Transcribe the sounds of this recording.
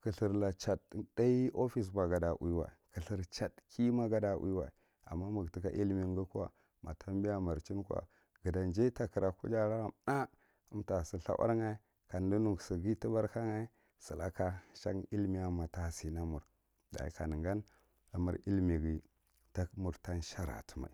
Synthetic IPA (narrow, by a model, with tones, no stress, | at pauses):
kə˨ɬə˨ɾla˨t͡ʃa˨tda˦i˦o˦fi˦s̬ba˨ɡa˨da˨ʔṵ˦wa̰˨kə˨ɬə˨ɾt͡ʃa˨tkʰi˦ma˦ɡa˦da˨ʔṵ˦wa̰˨ | a̰˨mːa˦mu˨ɡti˦ka˦ʔi˦lmi˨ŋɡu˦kwa̰˨ | ma̰˨tʰa˦m˦bi˦ja˦ma˨ɾt͡ʃi˦nkʷa̰˨ | ɡə˨da˨nd͡ʒe˦ta˨kə˨ɾa˨kṵ˦d͡ʒa˦la˦a˨na˦ | u˦mta˨si˦ɬa̰˦wʔa̰˦ɾŋa˦i˦ | ka˨n˨˦du˦nu˦˨ɡsi˨ɡi˦ti˦ba˦ɾka˦ŋa˦i˦ | sə˨la˦ka˦ʃa̰˦ŋi˦lmi˦˨ja˦ma˨ta˨si˨na˦mu˨ɾ | da̰˨ḭ˨ka˨nə˨ŋɡa˦n | a˨mṵ˨ɾi˦lmi˨ɡi˨ | ta˦kmu˨ɾta˦nʃa˦ɾa̰˨tə̥˨ma̰˨i˨